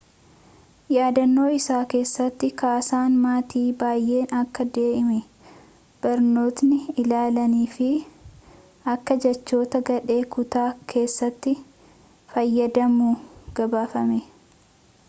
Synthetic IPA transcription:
jaːd̪ɐnːo̞ːɪsaːke̞ːsːɐt̪ːɪkaːsaːnmaːt̪iːbaːjʔe̞ːnɐkːɐd̪e̞ːʔɪmɛ | b̥ɐɾno̞ːt̪nɪɪlaːlɐniːfɪ | ɐkːɐd͡ʒɛt͡ʃːo̞ːt̪ɐɡɐᶑe̞ːkʊt̪aːkʰe̞ːsːɐt̪ːɪ | fɐjːɐd̪ɐmuːɡ̥ɐbaːfɐmɛ

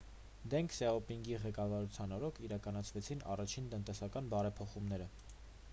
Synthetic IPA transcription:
d̪ɛŋkʰsɛɔpiŋɡiʁɛkɑvɑɾut͡sʰjɑnɔɾɔkʰiɾɑkɑnɑt͡sʰvɛt͡sʰinɑ̰rɑt͡ʃʰint̪ənt̪ɛsɑkɑnbɑɾɛpʰɔχumnɛɾə

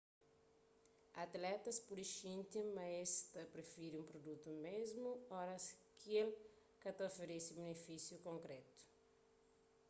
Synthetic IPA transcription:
ɐt̪lɛt̪ɐspuɾiʃĩnt̪imɐest̪ɐpɾefiɾiũmpɾod̪ut̪umezmuɔɾɐskiel | kɐt̪ɐofeɾesiubenefisjukõŋkɾɛt̪u̥

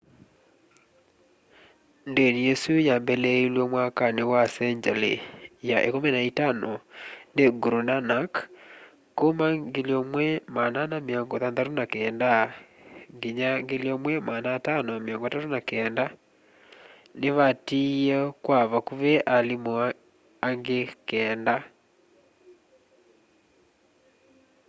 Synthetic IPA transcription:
ndeniɛsujambɛlɛilwɔmwakanewasɛɲd͡ʒɛlḛjaʔḛkomɛnaitanɔneɡuɾunanak | komaɡeliɔmwɛmananameɔŋɡɔðanðatonakɛːnda | ŋɡiɲaŋɡeliɔmwɛmanaːtanɔameɔŋɡɔtatonakɛːnda | neβatiɛkwaβakuβɛʔalimɔa | aŋɡekɛːnda

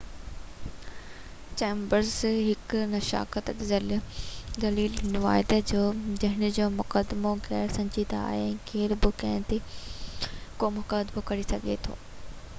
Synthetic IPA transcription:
t͡ɕẽːmbəɾzɦɪknɐʃa̰ːkət̪ɐkzəld̪ɐliːlnɪʋa̰ːɪd̪ed͡ʑoːd͡ʑɐɦɪnʊ̆d͡ʑoːmʊkəd̪moɣɛːɾsɐ̃ɲd͡ʑid̪aa̰ːɦeɛ̃ːkʰeːɾbɪkɐ̃ɦɪ̃t̪ʰe | komʊkəd̪mokɐɾisɐɡʱḛt̪ʰo̰ː

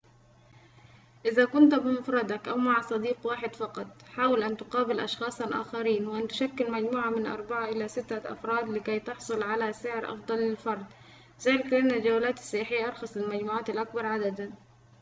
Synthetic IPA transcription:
ʔɪðakʊnt̪bɪmʊfɾˤɑd̪akʔawmaʕsˤɑd̪iːqwaːħɪd̪fɑqɑt̪ˤħaːwɪlʔant̪ʊqɑːbɪlʔɑ̰ʃxɑːsˤalʔa̰ːxaɾiːnwɪʔant̪ʊ̥ʃakːɪlmad͡ʒmuːʕamɪnʔɑ̰ɾˤbaʕaʔɪlasɪt̪ːaʔɑ̰fɾˤɑːd̪lɪkajt̪ɑħsˤʊlʕalasɪʕɪɾʔɑ̰fd̪ˤɑlːɪlfɑɾˤd̪ | ɪzaːlɪklɪʔanːald͡ʒawalaːt̪ɪ̥sˤːɑjaħɪjːaʔɑɾˤxɑsˤlɪlmad͡ʒmuːʕaːt̪alʔak̚bɑɾˤʕad̪ad̪an

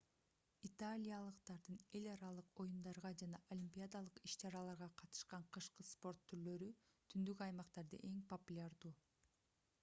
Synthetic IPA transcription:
it̪alʲijalˠɯqt̪ɑɾd̪ɯne̞lʲɑɾɑlˠɯqo̞jund̪ɑɾʁɑd͡ʒɑnɑʔolʲimʲpʲijad̪alˠɯqiʃt͡ʃɑɾɑlˠɑɾʁɑqʰɑt̪ɯ̥ʃqɑɴqʰɯʃqɯspo̞ɾt̪ʰːyɾlø̞ɾy | t̪ʰynd̪ykɑjmɑqt̪ɑɾd̪ɯ̰ʔe̞ŋpopulʲaɾd̪uː

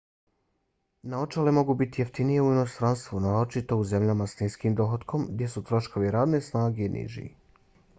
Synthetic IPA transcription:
nao̞t͡ʃalemo̞ɡubit̪ijeft̪inije̞uino̞st̪ɾanst̪ʋunaːot͡ʃit̪o̞uze̞mʎamasniskimd̪o̞ɦot̪kʰo̞mɡd̪je̞sut̪ɾo̞ʃko̞ʋiɾaːd̪ne̞snaːɡenʔḭʒḭ

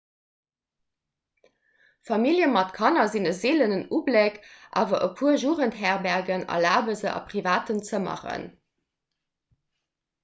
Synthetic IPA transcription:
fɑmiljəmɑtkʰɑnɐzinəzeːlənənublekʔa̰ːvɐʔəpʰuəʒuːʁəntɦæːʁbæʁɡənɑ̰laːbəzəʔɑ̰pʁivaːtənt͡səmɑ̰χə̰n

